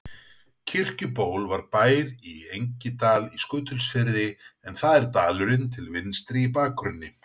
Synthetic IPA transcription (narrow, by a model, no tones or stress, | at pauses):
cʰɪr̥cʏpoːwlvaɾpaːjɾiejɲcɪt̪aːliskœːt̪ʰʏlsfɪɾðɪɛnθaðɛɾ̥t̪aːlʏɾɪnt̪ʰɪlvɪnst̪ɾiipaːkʰɾʏnːɪ